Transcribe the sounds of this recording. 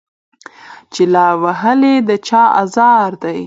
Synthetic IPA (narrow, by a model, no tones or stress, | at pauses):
t͡ʃelɑwaɦəled̪ət͡ʃɑɑ̰zɑɾd̪aj